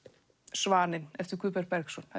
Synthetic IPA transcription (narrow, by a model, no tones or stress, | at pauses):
svaːnɪnɛft̪ɪɾ̥kʰʏːpɛɾpɛɾksɔnha